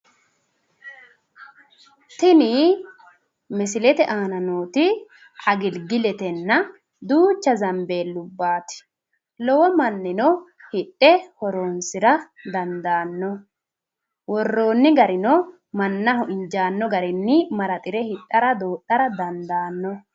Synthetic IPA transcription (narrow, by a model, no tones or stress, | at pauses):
t̪ɪnɪ | mɛsɪlɛt̪ɛʔaːnɐnoːt̪ɪ | ʔɐɡɪlɡɪlɛt̪ɛnːɐ | d̪uːt͡ʃːɐzɐmbe̞ːlːʊbːaːt̪ɪ̥ | lɔwɔmɐnːɪnɔ | hɪɗːɛhɔɾoːnsɪɾɐ | d̪ɐnd̪aːnːɔ | wɔrːo̞ːnːɪɡɐɾɪnɔ | mɐnːɐhɔʔɪɲd͡ʒaːnːɔɡɐɾɪnːɪmɐɾɐt̪ʼɪɾɛhɪtʼːɐɾɐd̪oːtːɐɾɐd̪ɐnd̪aːnːɔ